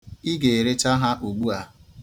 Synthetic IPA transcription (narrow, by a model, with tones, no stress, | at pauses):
i˦ɡe˨e˨ɾe˦t͡ʃa˦ɦa˦ʔu˨ɡ͡bu˦a˦